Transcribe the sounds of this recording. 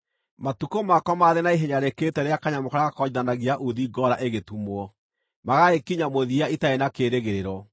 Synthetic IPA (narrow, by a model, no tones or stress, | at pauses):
matukomakɔmaðenaiɦeɲaɾeketɛɾeakaɲamokaɾaɣakɔiðanaɣiaʔuðiɡɔɾaʔeɣetumwɔ | maɣaekiɲamoðiaitaenakeːɾeɣeɾeɾɔ